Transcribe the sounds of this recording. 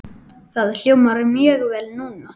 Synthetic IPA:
θaðl̥jowmaɾʏmjœːɣvɛːlnuːna

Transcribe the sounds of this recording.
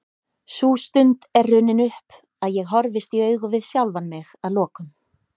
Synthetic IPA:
sust̪ʏnt̪ɛrːʏnɪnʏhp | aðjɛɣɦɔɾvɪst̪iœːɥɣʏvɪðsjawlvanmɪɣaðlɔːkʏm

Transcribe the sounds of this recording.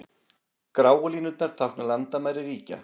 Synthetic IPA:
kɾaːwliːnʏt̪̚naɾ̥t̪ʰahknalant̪amajɾɪriːca̰

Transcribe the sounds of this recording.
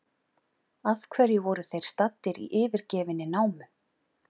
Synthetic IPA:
avkʰvɛɾjɪvɔɾʏθejɾ̥st̪at̪ːɪɾḭʔɪːvɪɾcɛːvɪnːɪnaːwmʏ

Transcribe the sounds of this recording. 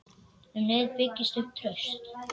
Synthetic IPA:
hʏmnɪðpɪcːɪst̪ʏhp̚t̪ʰɾœɥst̪

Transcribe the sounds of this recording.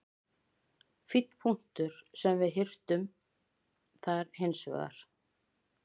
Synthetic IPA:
fɪt̪n̥pʰuŋ̥t̪ʏɾ̥sɛmvɪðɦɪr̥t̪ʏm | θaɾhejnsvɛ̰ɣa̰ɾ̥

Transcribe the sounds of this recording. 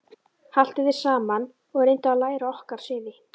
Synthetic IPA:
hal̥t̪ɪðɪɾ̥saːman | ɔɣɛɾejnt̪ʏaðlaːjɾaɔhkaɾ̥sɪːðɪ

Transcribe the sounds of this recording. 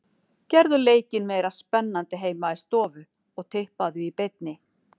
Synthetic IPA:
cɛɾðʏleːjcɪnmeːjɾaspɛnːant̪ɪɦeːjmaist̪ɔːvʏ | ɔɣt̪ʰɪhpaðʏipejt̪nɪ

